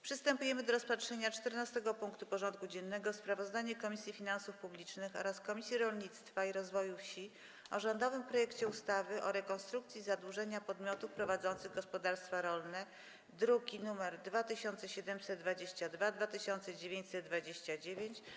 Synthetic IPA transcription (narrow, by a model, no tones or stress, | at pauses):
pʂɘst̪ɛmpujɛmɘd̪ɔɾɔspatʂɛɲat͡ʂt̪ɛɾnast̪ɛɡɔpuŋkt̪upɔʐɔnt̪̚kud͡ʑɛnːɛɡɔspɾavɔzd̪aɲɛkɔmʲisʲjifʲinansufpublʲit͡ʂnɘxɔ̰ɾaskɔmʲisʲjiɾɔlɲit̪st̪faiɾɔzvɔjufɕi | ɔʐɔnd̪ɔvɘmpɾɔjɛkt͡ɕɛust̪avɘʔɔɾɛkɔnst̪ɾukt̪sʲjizad̪wuʐɛɲapɔd̪mʲjɔt̪ufpɾɔvad̪zɔnt̪sɘɣɡɔspɔd̪aɾst̪faɾɔlnɛ | d̪ɾuɡʲinumɛɾd̪vat̪ɘɕɔnt̪sɛɕɛd̪ɛmsɛt̪̚d̪vad͡ʑeɕt͡ɕad̪vad̪vat̪ɘɕɔnt̪sɛd͡ʑevʲjeɲt͡ɕʲsɛt̪̚d̪vad͡ʑeɕt͡ɕad͡ʑevʲjeɲt͡ɕ